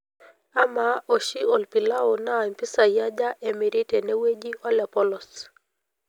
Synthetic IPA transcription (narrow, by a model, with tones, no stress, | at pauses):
a˦ma˨ɔ˨ʃi˦ɔ˨lpi˨la˦ɔ˨na˦˨m˨pi˦sa˨ja˦d͡ʒa˦ʔɛ˨mi˨ɾi˦tɛ˨nɛ˦we˦d͡ʒi˦ʔɔ˦la˨pɔ˦lɔ˨s